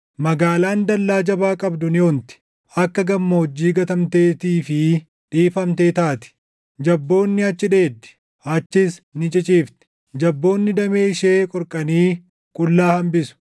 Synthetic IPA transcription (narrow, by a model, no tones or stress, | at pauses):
mɐɡaːlaːnd̪ɐlːaːd͡ʒɐbaːkʼɐbd̪ʊnɪont̪ɪ̥ | ʔɐkːɐɡɐmːɐhɔd͡ʒːiːɡɐt̪ɐmt̪e̞ːt̪iːfɪ | ᶑiːfɐmt̪e̞ːt̪aːt̪ɪ̥ | d͡ʒɐbːo̞ːnːɪɐt͡ʃːɪᶑe̞ːd̪ːɪ̥ | ɐt͡ʃːɪsnɪt͡ʃʼɪt͡ʃʼiːft̪ɛ̥ | d͡ʒɐbːo̞ːnːɪd̪ɐme̞ːʃe̞ːkʼɔɾkʼɐniː | kʼʊlːaːhɐmbɪsʊ̥